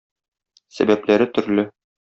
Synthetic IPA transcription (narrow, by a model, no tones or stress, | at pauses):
sæ̰bæplæɾɘt̪ɵ̆ɾlɘ